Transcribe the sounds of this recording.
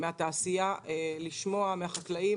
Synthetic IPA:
meat̪aːsijaʔeliʃmo̞ameaχaklai

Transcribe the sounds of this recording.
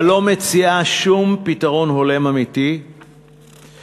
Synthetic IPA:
lo̞met͡siaʃumpitaʁo̞nɦo̞le̞mamiti

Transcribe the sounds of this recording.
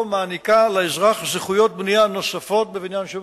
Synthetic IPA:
maːnikaleezʁaχzeχujo̞t̪̚bnijano̞safo̞t̪̚bevinjanʃe

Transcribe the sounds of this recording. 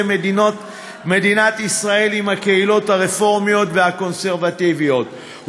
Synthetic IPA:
me̞d̪inat̪isʁae̞limhakeilo̞thaʁefo̞ʁmijo̞t̪ve̞hako̞nseʁvativijo̞t̪ | h

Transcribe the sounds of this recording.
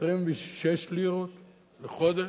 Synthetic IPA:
ʁimviʃeʃliʁot̪ | leχod̪e

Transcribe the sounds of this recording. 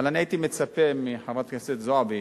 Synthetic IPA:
alaniait̪imet͡sapemiħavat̪kaset̪zoabi

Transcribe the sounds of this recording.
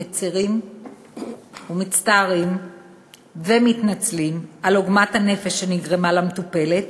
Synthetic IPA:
et͡siʁim | umit͡staːʁim | vemitnat͡slimaloɡmathane̞fe̞ʃːe̞niɡʁemalametupe̞le̞t̚

